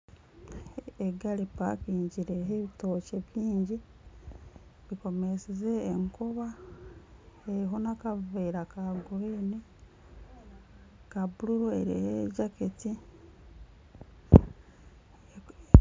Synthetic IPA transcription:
eɡalipa̰kiːɲɟiɾeɾiɦeβito̞ːceβjiːɲɟi | βiko̞mesize̞ːŋkoβa | eɾiɦonakaveiɾakaɡueni | kabuluɾoḛɾḭheɟaketi

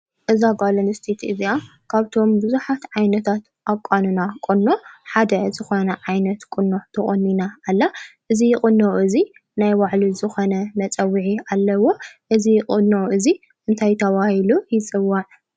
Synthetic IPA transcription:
ʔɨzaɡalɐnɨst̪ʰet̪ʰɨzia | kʰaβt̪ʰo̞mbɨzuħat̪ʕajnɐt̪ʰat̪ | ʔakʼanunakʼonːoħad̪ɐzɨxonɐʕajnɐt̪kʼʊnːot̪ʰɐχʼonːinaːlːaʔɨzijɪχʼɨnːoʔɨzi | najwaʕlizɨxonɐmɐt͡sʼɐwːiʕialːɐwo̞ʔɨzikʼɨnːoʔɨzi | ʔɨnt̪ʰajt̪ʰɐβahilujɪt͡sʼɨwːaʕ

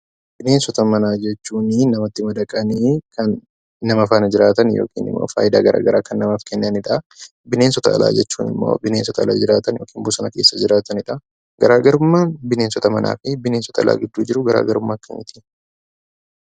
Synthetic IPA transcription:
bɪne̞ːnsɔt̪ɐmɐnaːd͡ʒɛt͡ʃːuːnɪnɐmɐt̪ːɪmɐd̪ɐkʼɐnikʰɐnː | ɐmɐfaːnɐd͡ʒɪɾaːt̪ɐnjo̰ːkḭːnɪ̰mːo̰ːfa̰ːjɪd̪a̰ːɡɐɾʔa̰ːɡɐɾaːkɐnːɐmɐfkɛnːɐnɪᶑɐ | bɪne̞ːnsɔt̪ɐɐ̰lʔa̰ːd͡ʒɛt͡ʃːuːnɪ̰mːo̰ːbɪneːnsɔt̪ɐɐlaːd͡ʒɪɾaːt̪ɐnjo̞ːkʰiːmbʊsɐnɐke̞ːsːɐd͡ʒɪɾaːt̪ɐnɪᶑɐ | ɡɐɾaːɡɐɾʊmːaːnbɪneːnsɔt̪ɐmɐna̰ːfɪbɪneːnsɔ̥t̪ʰɐla̰ːɡɪd̪ːuːd͡ʒɪɾʊɡɐɾʔa̰ːɡɐɾʊmːaːkːɐnʔɪt̪ʰɪ

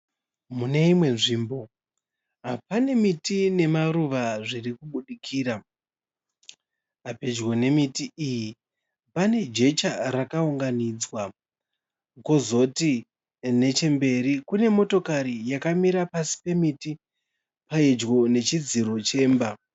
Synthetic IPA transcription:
mune̞imwe̞nʐiːmbo̞ | ɦapane̞mitine̞maruʋaʐirikuɓuɗikʰiːɾa | aped͡ʒɡo̞ne̞mitiiji | pane̞d͡ʒe̞t͡ʃarakauŋɡanid͡zwa | kozo̞ti | ne̞t͡ʃe̞mbe̞rikune̞mo̞to̞kaɾijakamiɾapasi̥pe̞miti | paid͡ʒɡo̞ne̞t͡ʃid͡ziɾo̞t͡ʃe̞ːmba

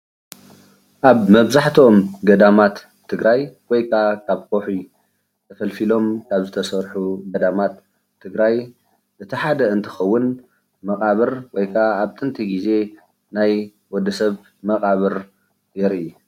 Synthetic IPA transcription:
ʔaβmɐβzaħt̪ʰomɡɐd̪amat̪ʰː | ɨɡɾajwɔjkʰakʰaβkʰoħi | t̪ʰɐfɐlfilo̞mkʰaβzɨt̪ʰɐsɐɾħuɡɐd̪amat̪ʰː | ɨɡɾaj | ʔɨt̪ʰiħad̪ɐɨnt̪ʰɐ̥xɐwːʊn | mɐkʼaβɨɾwɔjkʰaaβt̪ʼɨnt̪ʰiɡize̞ | naj | wɔd̪ɐsɐβ | mɐkʼaβɨɾ | jɛɾiu

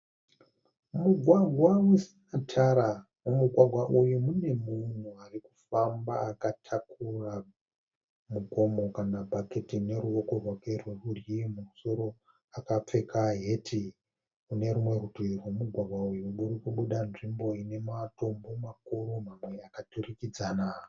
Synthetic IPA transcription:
muɡʱwaɡʱwawisi | atʰaɾa | umuɡʱwaɡʱwaʔujumune̞mun̤uariku̥famba̰akatʰakura | muko̞mo̞kanabʱaketine̞ɾuoko̞rwakerweurimuso̞ɾo̞ | akap͡fe̞kaɦe̞tʰi | une̞ɾumwe̞rutirwemuɡʱwaɡʱwaujuɓuɾikuɓuɗanʐimbo̞ine̞mato̞mbo̞makoɾomamwe̞akaturikid͡zana

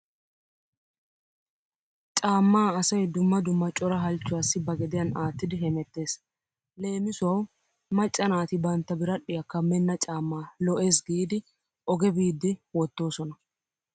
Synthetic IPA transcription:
t͡ʃʼaːmːaːɐsɐjd̪ʊmːɐd̪ʊmːɐt͡ʃʼɔɾɐɦɐlt͡ʃːʊwaːsːɪbɐɡɛd̪ɪjɐnaːt̪ːɪd̪ɪɦɛmɛt̪ːe̞ːs | le̞ːmɪsʊwɐw | mɐt͡ʃʼːɐnaːt̪ɪbɐnt̪ːɐbɪɾɐɗːɪjɐkːɐmːɛnːɐt͡ʃʼaːmːaːlɔʔe̞ːs̬ɡiːd̪ɪ | ʔɔɡɛbiːd̪ːɪwɔt̪ːo̞ːsɔnɐ

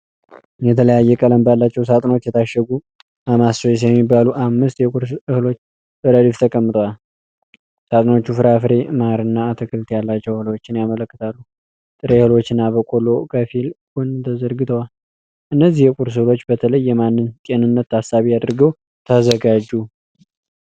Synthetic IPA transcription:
jɛt̪ʰələjajːɛkʼələmbjalːat͡ʃːɛwsat̪ʼno̞t͡ʃːjɛt̪ʰaʃːɛɡu | ʔamasəjs̬jɛmːibːaluʔamːɨst̪jɛkʼuɾsɨhɨlot͡ʃː | b̥əɾəlift̪ʰəkʼəmːɨt̪ʼəwal | sat̪ʼno̞t͡ʃːufɨɾafɨɾe̞maɾɨnːaːt̪ʰɨkʰɨlt̪ʰjalːat͡ʃːɛwhɨlot͡ʃːɪnjamələkːɨt̪ʰalːu | t̪ʼɨɾehɨlo̞t͡ʃːɪnːabəkʼolo̞kʰəfilɡunt̪ʰəzəɾɡɨt̪ʰəwal | ʔɨnːəzːihjɛkʼuɾs̬ɨhlo̞t͡ʃːbət̪ʰələjːɛmanːɨnt̪ʼe̞nɨnːət̪ːasaβijad̪ɾɨɡəw | t̪ʰəzəɡad͡ʒu

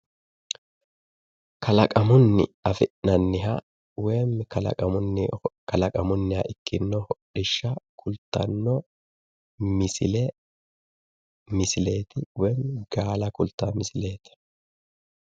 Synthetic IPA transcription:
kʰɐlɐkʼɐmʊnːɪ̰ɐfɪʔnɐnːɪɦɐ̰ | wɛjmːkɐlɐ̰kʼɐmʊnːɪkɐlɐkʼɐmʊnːɪhɐ̰ʔɪkʰːɪnːɔhɔɗɪʃːɐkʰʊlt̪ːɐ̰nːɔ | mɪsɪlɛ | mɪsɪle̞ːt̪ɪwɛjmɡ̥aːlɐkʊlt̪ːɐmɪsɪle̞ːt̪ɐ̥

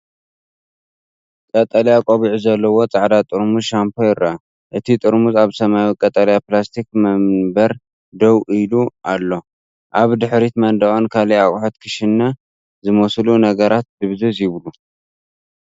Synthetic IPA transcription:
kʼɐt̪ʼɐljakʼoβiʕuzɐlːɐwo̞t͡sʼaʕd̪at̪ʼɨɾmuzʃampʰojɪɾɐa | ʔɨt̪ʰit̪ʼɨɾmuzaβsɐmawikʼɐt̪ʼɐljaplast̪ʰikmɐmbɐɾ | d̪owʔiluʔalːo̞ | ʔaβd̪ɨħɾit̪mɐnd̪ɐʔʼonkʰaliawʼħot̪kʰɨʃɪnːa | zɨmoslunɐɡɐɾat̪̚d̪ɨβzɨzjɪβlu

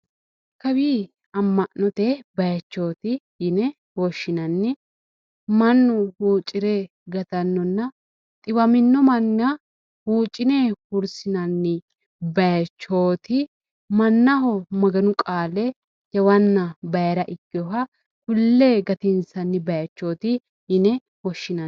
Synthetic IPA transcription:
kɐwiː | ɐmːɐʔnɔt̪ebɐjɐt͡ʃːo̞ːt̪ɪjɪnɛ | woʃːɪnɐnːɪ | mɐnːʊhuːt͡ʃʼːɪɾeː | ɡɐt̪ɐnːɔnːɐ | t̪ʼɪwɐmɪnːɔmɐnːɐ | huːt͡ʃʼːɪneːhʊɾsɪnɐnːɪ | bɐjɐt͡ʃːo̞ːt̪ɪ | mɐnːɐɦɔmɐɡɐnʊkʼaːlɛ | jɐwɐnːɐbɐjɐɾɐʔɪkːɪɔɦɐ | kʊlːeːɡɐt̪ɪnsɐnːɪbɐjɐt͡ʃːo̞ːt̪ɪ | jɪnɛ | wɔʃːɪnɐ

